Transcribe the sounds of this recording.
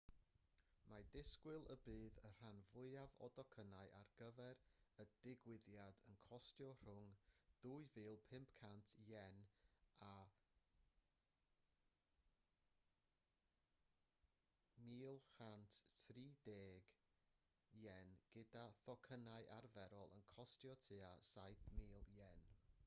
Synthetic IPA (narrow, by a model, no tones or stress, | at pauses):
madɪskwɪlˠəbɨːðər̥anvʊɨavɔ̰dɔkʰənaɨʔarɡ̥əvɛɾəd̥ɪɡwɪðjadənkʰɔstjɔr̥ʊŋd̥uːɨvɨːlˠpʰɪmpkʰantʰjɛna | miːlˠhantʰtʰriːdeːɡ | jɛnɡ̥ɪdaθɔkʰənaɨʔarvɛɾɔlˠə̰nkʰɔstjɔtʰɨːasajθmiːlˠjɛn